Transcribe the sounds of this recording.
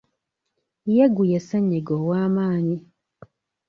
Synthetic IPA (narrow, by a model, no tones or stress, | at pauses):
jeɡujeseɲːiɡowaːmaːɲi